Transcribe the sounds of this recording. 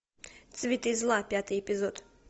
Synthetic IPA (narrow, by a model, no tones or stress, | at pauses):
t̪sʲvʲit̪ɨzlˠapʲjat̪ɨjɛpʲɪzɔt̪